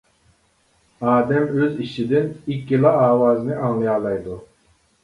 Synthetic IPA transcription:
ɑːd̪ɛmøziʃid̪ɪnikʲːilˠɑɑːwɑːzɨnɪɑŋlˠɨjɑːlˠɑjd̪u

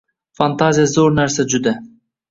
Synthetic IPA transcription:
fɑnt̪ɑzʲijazoɾnæɾsɛd͡ʒud̪æ

